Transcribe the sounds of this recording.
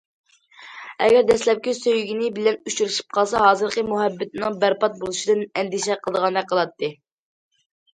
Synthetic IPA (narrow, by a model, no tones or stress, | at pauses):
ɛ̰ɡʲɛɾd̪ɛslɛp̚kʲisøjɡʲinɪbɪlɛnut͡ʃuɾuʃi̥p̚qʰɑlˠsɑɦɑːzɨɾqəmuɦɛbːɪt̪ɪnɨŋbæɾpɑt̪̚bolˠuʃid̪ɨnɛnd̪iʃɛqʰəlˠd̪əʁɑnd̪ɑqʰəlˠɑt̪ʰːɨ